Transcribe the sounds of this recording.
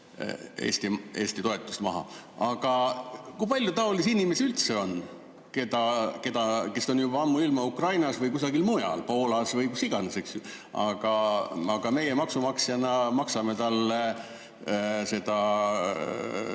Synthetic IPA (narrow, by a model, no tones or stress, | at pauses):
ḛːsʲt̪ie̞ːsʲt̪it̪o̞e̞t̪ːˑu̥st̪mɑɦɑ̰ɑɡ̥ɑkujpɑlʲjut̪ɑolisinʲime̞sylt̪se̞o̞nː | ke̞d̪ɑke̞d̪̥ɑke̞so̞njubɑɑmːuilmɑukrɑjnɑsvɤjkus̬ɑɡilmujɑ̰lpo̞ːlɑsvɯjkusiɡ̥ɑneseksɑ̰ɡ̥ɑɑɡ̥ɑme̞jemɑksumɑksjɑnɑmɑksɑme̞t̪ɑlːe | se̞d̪̥ɑ